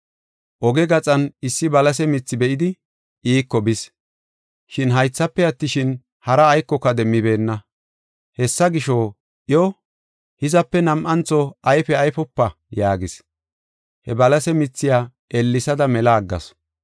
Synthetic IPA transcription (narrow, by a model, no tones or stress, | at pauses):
ʔɔɡɛɡɐt͡sʼɐnɪsːɪbɐlɐs̬ɛmɪt͡sːɪbɛʔɪd̪ɪ | ʔiːkːɔbɪs | ʃɪnɦɐjt͡sːɐpːɛɐt̪ːɪʃɪn | hɐɾɐːjkːɔkːɐd̪ɛmːɪbe̞ːnːɐ | hɛsːɐɡɪʃo | ʔɪjɔ | hɪzɐpːɛnɐmʔɐnt͡sːɔɐjfɛɐjfɔpːɐ | jaːɡɪs | hɛbɐlɐsɛmɪt͡sːɪjaː | ʔelːɪsɐd̪ɐmɛlaːɡːɐ̰s